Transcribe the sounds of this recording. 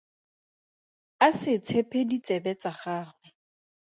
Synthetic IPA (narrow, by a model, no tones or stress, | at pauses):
asɪt͡sʰepʰedit͡sɛbɛt͡sʼaχaːχwɛ